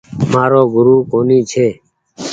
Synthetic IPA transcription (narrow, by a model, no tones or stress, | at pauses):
maːɾoːɡʱʊɾuːkoːniːt͡ʃʰeː